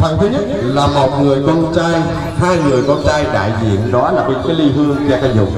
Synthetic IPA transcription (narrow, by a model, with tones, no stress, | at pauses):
fwaː˨˩ŋt̪ʰɨ˨˦ɲə˦˥t̚laː˨˩mo˨˩t̚ŋɨ˨˩əjkɔ˧nt͡ɕaː˧j | haː˧jŋɨ˨˩əjkɔ˧nt͡ɕaː˧jɗa̰ː˧˨jzḭ˧˨ənɗɔ˨˦laː˨˩ɓi˨˦kaː˨˦jli˧hɨ˧əŋt͡ɕɛ˧ka˧zʊ̰˨˩ŋ͡m̚